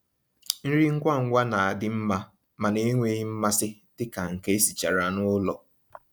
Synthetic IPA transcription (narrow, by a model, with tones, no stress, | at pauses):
n̩˦ɾi˦ŋ̩˦kʷa˦˨ŋ̩˦ɡʷa˦na˨a˨dɪ˦m̩˦ma˦ | ma˨ne˦ŋʷe˦ɦi˦m̩˦ma˦sɪ˦dɪ˦ka˨ŋ̩˨ke˦e˦si˨t͡ʃa˨ɾa˨nʊ˦lɔ˨